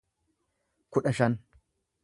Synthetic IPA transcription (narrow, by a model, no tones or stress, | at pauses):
kʊɗɐʃɐn